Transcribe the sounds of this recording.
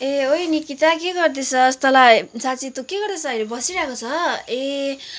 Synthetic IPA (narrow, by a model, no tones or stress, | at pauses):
eojnikit̪akeɡʌrd̪isʰʌst̪ʌlasat͡sit̪okeɡʌrd̪esʰʌʌjlebʌsiɾakot͡sʰʌe